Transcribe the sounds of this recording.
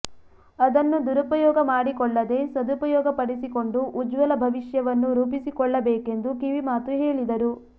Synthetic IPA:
ɐd̪ɐnːud̪uɾupɐjɔːɡɐmaːɽikɔɭːɐd̪e̞sɐd̪upɐjɔːɡɐpɐɽisiko̞ɳɖuʔːd͡ʒʋɐlɐbʱɐʋiʃjɐʋɐnːuɾuːpisikɔɭːɐbeːke̞nd̪ukiʋimaːt̪uɦe̞ːɭid̪ɐɾu

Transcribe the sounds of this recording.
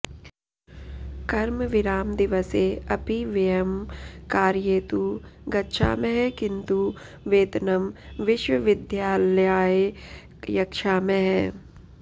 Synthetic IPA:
kɐɾmʋɪɾaːmd̪ɪʋəseɐpiʋejemkaːɾjeːt̪uɡɐtːʃʰa̰ːmẽɦɛkɪ̃nt̪u | ʋeːt̪nɐmʋɪʃwəʋɪd̪jaːljaːe | jɐkʃaːmẽɦɛː

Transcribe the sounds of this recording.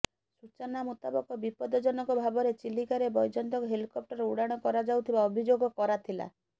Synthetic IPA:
sut͡ʃɔnamut̪abɔkɔbipɔd̪ɔd͡ʒɔnɔkɔbʱabɔɾet͡ʃilikaɾebɔjd͡ʒɔnt̪ɔkɔɦelikɔp̚ʈɔɾeuɽaɽ̃ɔkɔɾad͡ʒawt̪ʰibaɔbʱid͡ʒoɡɔkɔɾat̪ʰila̰

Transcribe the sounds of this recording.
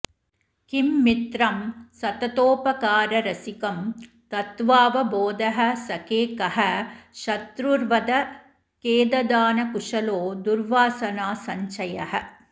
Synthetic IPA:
kimːit̪ɾɐmsɐt̪ɐt̪oːpɐkaːɾɐɾɐsikɐm | t̪ɐt̪ʋaːʋɐboːd̪ɐɦɐ̆sɐkeːkɐɦɐʃɐt̪ɾuɾʋɐd̪ɐ | keːd̪ɐd̪aːnɐkuʂɐloːd̪uɾʋaːsɐnaːsɐɲt͡ʃɐjɐɦɐ̆

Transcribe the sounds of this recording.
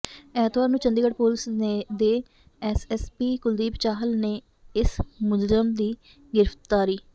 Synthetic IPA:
ɛːt̪ʋaːɾnũːt͡ʃənd̪iːɡəʈpoːlɪsneːd̪eː | ɛsɛspiːkʊld̪iːbt͡ʃaːɦəlneː | ɪsmʊd͡ʒzəmd̪iː | ɡɪɾəft̪aːɾiː

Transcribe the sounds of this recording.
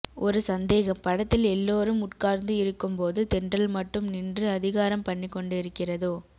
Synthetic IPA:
ʔɔɾɯsɐnd̪eːɣɐmpɐɽɐt̪ːɪlɛlːoːɾɯmʊʈkaːɾnd̪ɯɪɾɯkːɯmpoːðɯt̪ɛndrɐlmɐʈːɯmnɪndrɯɐðɪɣaːɾɐmpɐɳːɪkːɔɳɖɯɪɾɯkːɪrɐðoː

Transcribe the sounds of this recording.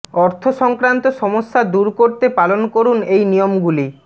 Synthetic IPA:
ɔɾt̪ʰoʃɔŋkɾant̪oʃɔmoʃːad̪uɾkoɾt̪epalonkoɾunejnijomɡuli

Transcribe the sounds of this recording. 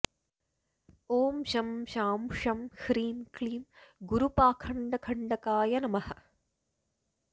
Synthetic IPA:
oːmʃɐmʃaːmʂɐmhɾiːmkliːmɡuɾupaːkʰɐɳɖɐkʰɐɳɖɐkaːjɐnɐmɐhɐ̆

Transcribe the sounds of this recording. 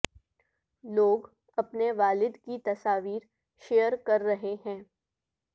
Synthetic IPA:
loːɡ | ɐpneʋaːlɪd̪kit̪ɐsaːʋiːɾ | ʃejəɾkɐɾːɐɦeɦɛ̃ː

